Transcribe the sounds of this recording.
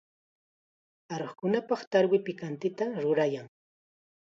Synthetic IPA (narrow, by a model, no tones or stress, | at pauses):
ɑɾoχkʊnapɑχt̪aɾwɪpɪkant̪ɪt̪aɾʊɾajaŋ